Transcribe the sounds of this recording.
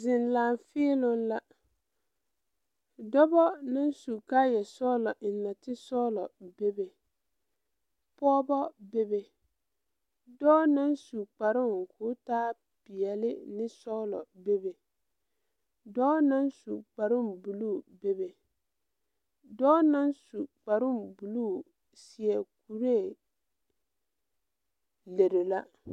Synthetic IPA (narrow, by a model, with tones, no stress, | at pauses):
zɪ˨nlaː˨ɱfɪː˦lʊ˦nla˦ | dɔ˦bɔ˦na˦nsu˨ka˦jɛ˨sɔ˦lɔ˨ʔɪ˨nːa˨tɪ˦sɔ˦lɔ̰˨be˦be˨ | pɔː˦bɔ˦be˦be˨ | dɔː˦na˦nsu˨k͡pa˨ɾʊ˦ŋ˨kʰʊː˨˦taː˦ | pi˨ɛ˨lɪ˦nɪ˦sɔ˦lɔ̰˨be˦be˨ | dɔː˦na˦nsu˨k͡pa˨ɾʊ˦mbu˨luː˦˨be˦be˨ | dɔː˦na˦nsu˨k͡pa˨ɾʊ˦˨mbu˨lu˦˨ | si˨ɛ˨ku˨ɾe˦˨ | le˨ɾɪ˨la˦